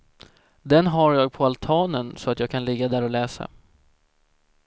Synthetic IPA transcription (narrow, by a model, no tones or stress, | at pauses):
d̪ɛnɦaɾjɑːɡ̚pʰɔalt̪ʰɑːnənsɔat̪jɑːɡ̚kʰanlɪɡːad̪æːɾɔlɛːsa̰